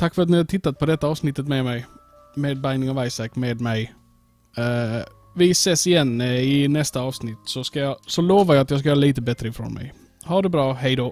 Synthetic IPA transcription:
t̪ʰakːfœɾat̪̬nɪhaʈ̪ʰɪt̪ːat̪̚pʰɔd̪ɛt̪ːaɑːvsnɪt̪ːət̪meːmɛɪ | meːd̪̚baɪnɪŋɑvaɪsakːmeːd̪mɛj | vɪseːsɪjɛnːɪnɛst̪aɑːvsnɪt̪ːsɔskajɑsɔloːvaɾjaat̪jɑːsk̬ajœːɾaliːt̪əbɛt̪ːɾəɪfɾo̰ːnmɛ̰j | haɖɛbɾɑːɦɛɪd̪oː

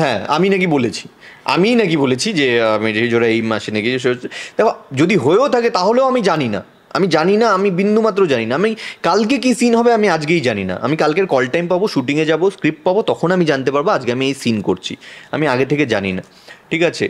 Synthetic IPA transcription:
ɦɛ̃a̰minak̬ibolet͡ɕʰi̥ | a̰minak̬ibolet͡ɕʰid͡ʑeamid͡ʑoɾaejmaʃenekieʃeoed̪ɛkod͡ʑod̪iɦoeot̪ʰaket̪aɦoleoamid͡ʑanina̰ | a̰mid͡ʑaninaamibind̪ʱumat̪̬ːɾod͡ʑaninaamikalkek̬isinɦɔbeamiad͡ʑɡejd͡ʑanina̰ʔa̰mikalkeɾkɔlʈajmpaboʃuʈiŋed͡ʑaboskɾip̚ʈ̚pabot̪ɔkʰonamid͡ʑant̪epaɾboad͡ʑkeamiejsinkoɾt͡ɕʰḭa̰miaɡet̪ʰeked͡ʑanina̰ | ʈʰikat͡ɕʰḛ

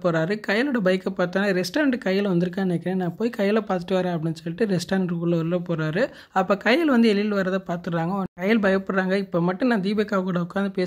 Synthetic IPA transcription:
poːɾaːɾɯkɐjɐlɯːɽɐbɐɪkːɐpaːɾt̪aːnɐɾɛsʈaːɾɐɳɖɯkɐjːɐlʋɐnd̪ɯɾɯk̬ːãːneːkːɪɾẽːnãːpoːjikɐjɐlɐpaːɾt̪̬ɯʈːɯʋaːɾẽːɐp̬ːɽɪnːɯsɔlːɪʈːɯɾɛsʈaːɾɳɖɾuːlɔlːɐpoːɾaːɾɯ | ɐpːoːkɐjɪlʋɐnd̪ɯɛlɪlʋɐɾɐðapaːɾt̪ɯɾːaːŋɡɐɔkɐjːɪlbɐjɐpːɔɽɾaːŋɡɐɪpːoːmɐʈːɯ̃nãːd̪iːbɛkːaːkuːɽɐʊkːaːnd̪ɯpeː

